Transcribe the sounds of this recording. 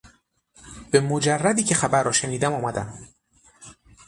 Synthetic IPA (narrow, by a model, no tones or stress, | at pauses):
b̥e̞mod͡ʒærːæd̪iːcʰe̞xæbæɾːɒːʃeniːd̪æmɒːmæd̪æ̰m